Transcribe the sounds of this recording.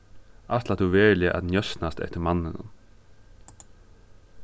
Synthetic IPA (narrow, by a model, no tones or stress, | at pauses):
ʔat̪lat̪ʰuʋeːɹlɪəʔæ̰t̪njœsnast̪ɛ̰ht̪ɪmanːɪnʊ̰n